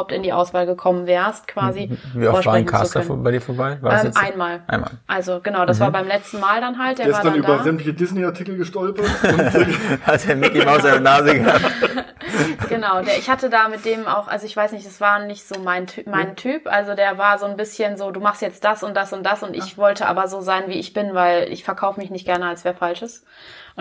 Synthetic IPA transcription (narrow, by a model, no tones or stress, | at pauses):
ap̚tɪndiːʔaʊsv̥aːlɡəkʰɔmənvɛːʁst̚kʰv̥aːziviːɔɔvaːnkʰa̰stafbaɪdiːɐfoːɐbaɪvaːɛʔaɪnmaːlʔa̰ɪnma̰ːlʔalzoɡ̥ənaʊdasv̥aːɐbaɪmlɛt͡stn̩maːldanɦalt̚d̥eːɐɪvsaɐdanyːdabɐzɛmtlɪçədɪsneaɐtʰɪkl̩ɡəʃtɔlpɐtʊhalshɛɐmɪkimaʊzaɪnənaːzəɡəhaːt | ɡ̥ənaʊdeːɐɪçhatədaːmɪt̚d̥eːmʔa̰ʊxʔa̰lzoɪçv̥aɪsnɪçtd̥asv̥aːɐnɪçtz̥oːmaɪntʰːmaɪntʰyːpʔa̰lzodeːɐvaːɐzoːnbɪsçənzoːduːmaχstjɛt͡st̚d̥asʊnt̚d̥asʊnt̚d̥asʊntɪ̰çv̥ɔltʰəʔa̰ːbɐzoːzaɪnviːɪçb̥ɪnvaɪlɪ̰çfɛɐkʰaʊfəmɪçnɪçt̚ɡ̥ɛɐnəalsv̥eːɐfalʃəs | ʔ